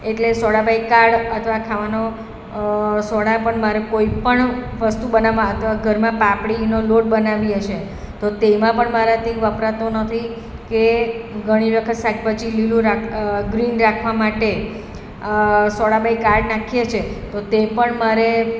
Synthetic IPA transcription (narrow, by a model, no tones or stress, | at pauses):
eʈlesɔɽabaikaɾɽət̪ʰəʋakʰaʋano | sɔɽapəɳmaɾekoipəɳʋəst̪ubənaʋãət̪ʰəʋaɡʱəɾmãpapɽinoloʈ̚bənaʋiəʃe | t̪ot̪emãpəɳmaɾat̪iʋəpɾat̪onət̪ʰi | keɡʱəɽ̃iʋjəkʰət̪saɡ̚pət͡ʃililũɾaɡɾinɾakʰʋamaʈe | sɔɽabʱaikaɾɖnakʰijet͡ʃʰet̪ot̪epəɳmaɾe